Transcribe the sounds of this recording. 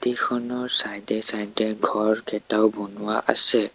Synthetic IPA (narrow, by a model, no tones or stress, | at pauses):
tikʰɔnɔɹsajdɛsajdɛɡʱɔɹkɛtaʊbonʊwaʔa̰sɛ